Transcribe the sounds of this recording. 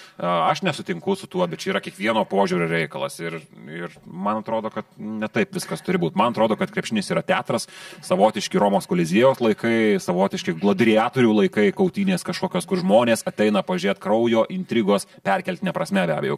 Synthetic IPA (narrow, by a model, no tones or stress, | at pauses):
ɐʃnʲɛsʊt̪ʲɪŋkʊsʊt̪uɔbʲɛt̪̚t͡ʃʲɛiːɾɐkʲiɛkʋʲiɛnoːpoːʒʲuːɾoːɾʲɛɪkɐlˠɐ̰sɪrɪrmɐnɐt̪ɾoːd̪oːkɐt̪nʲɛt̪ɐɪpʋʲɪskɐst̪ʊɾʲɪbuːt̪mɐnɐt̪ɾoːd̪oːkɐt̪kɾʲɛpʲʃʲɪnʲɪsiːɾɐt̪ʲæːt̪ɾɐssɐʋoːt̪ʲɪʃʲkʲɪɾoːmoːskoːlʲɪzʲɪjoːslˠɐɪkɐɪsɐʋoːt̪ʲɪʃʲkʲɪɡlˠoːd̪ʲɾʲɪjɑːt̪oːɾʲuːlˠɐɪkɐɪkɐʊt̪ʲiːnʲeːskɐʃkoːkʲoːskʊɾʒmoːnʲeːsɐt̪ʲɛɪnɐpɐʋɐʒʲɾeːt̪kɾɐʊjoːʔɪnʲt̪ʲɾʲiːɡoːspʲɛɾʲkʲɛlʲt̪nʲɛpɾɐsʲmʲɛbʲæːbʲɛjɛʊ